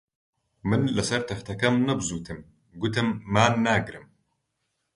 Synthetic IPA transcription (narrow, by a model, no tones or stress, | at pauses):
mɨnlɨsɐɾt̪ʰɐft̪ʰɐkɐmnɨbzuːt̪ʰɨm | ɡʊt̪ʰɨmːaːnːaːɡɾɨm